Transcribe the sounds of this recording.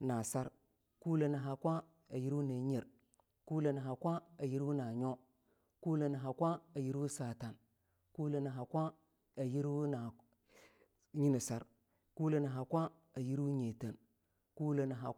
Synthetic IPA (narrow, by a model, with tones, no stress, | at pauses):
na˨sa˦ɾ | ku˦le˨na˨ɦa˨kʷa˦ | a˨ji˦ɾu˦ne˨ɲe˨ɾ | ku˦le˨na˨ɦa˨kʷa˦a˨ji˦ɾu˦na˨ɲo˦ | ku˦le˨na˨ɦa˨kʷa˦a˨ji˦ɾu˦sa˨ta˨n | ku˦le˨na˨ɦa˨kʷa˦ | a˨ji˦ɾu˦na˨ | ɲi˦ni˨sa˦ɾ | ku˦le˨na˨ɦa˨kʷa˦ | a˨ji˦ɾu˦ɲe˨te˨n | ku˦le˨na˨ɦa˨